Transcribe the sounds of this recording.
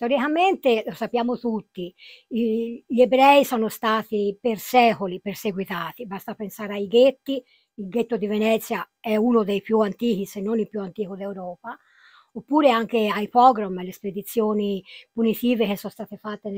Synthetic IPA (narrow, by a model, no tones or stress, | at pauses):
t̪eoɾikament̪elosapːjaːmot̪ut̪ːi | ʎebɾɛjisɔːnost̪aːt̪ipersɛːkoliperseɡwit̪aːt̪ibast̪apensaːɾeajɡet̪ːi | ilɡet̪ːod̪ivenɛt̪sːja | ɛunod̪ejpjuant̪iːk̟isenːonilpjuant̪iːkod̪ewɾɔːpa | opːuːɾeaŋk̟eajpɔɡɾomlːesped̪it̪sːjoːnipunit̪iːvek̟esːɔst̪aːt̪efat̪ːen